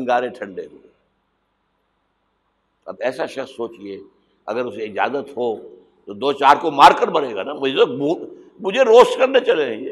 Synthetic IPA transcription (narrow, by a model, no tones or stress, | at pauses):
ŋɡaːɾẽʈʰɐ̃ɳɖeɾṵːe | ɐ̰bɛːsaʃɐxsːoːt͡ʃieː | ɐ̰ɡəɾʊseɪd͡ʒa̰ːzət̪ɦo | t̪od̪oːt͡ʃaːɾkomaːɾkəɾbɐɾeːɡaːnamʊd͡ʒeobʱuː | mʊd͡ʒʱeɾoːʃkɐɾnet͡ʃɐlẽeː